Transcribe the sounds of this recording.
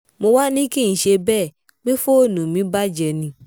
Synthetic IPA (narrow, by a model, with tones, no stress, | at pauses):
mo˧wa˦nĩ˦ki˦˨n̩˨ʃe˧bɛː˦˨ | k͡pe˦fo˦o˦˨nũ˨mĩ˨˦ba˦d͡ʒɛ˧nĩ˧˦